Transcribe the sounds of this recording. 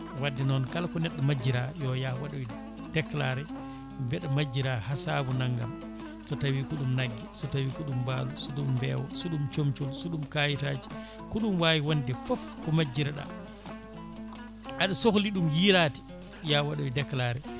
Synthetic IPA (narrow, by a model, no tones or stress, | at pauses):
wadːɛnɔnkalkɔnɛɗːamad͡ʒːiɾajɔjawaɗɔj | d̥ɛklaɾɛ | bɛɗamad͡ʒːiɾahasaːbunaŋɡa̰m | sɔtawikuɗumnaɡːisɔtawikuɗumbaːlusɔɗumbɛ̰wɔ̰suɗumt͡ʃomt͡ʃulsɔɗumkajitaːd͡ʒi̥ | kuɗumwaːwiwondɛfɔfkɔmad͡ʒːiɾaɗa̰ | ʔaɗusokliɗumjiɾati̥ | jawaɗɔjdɛklaɾɛ